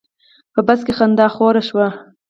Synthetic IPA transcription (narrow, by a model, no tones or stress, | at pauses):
pəbaskexand̪ɑxoɾaʃwa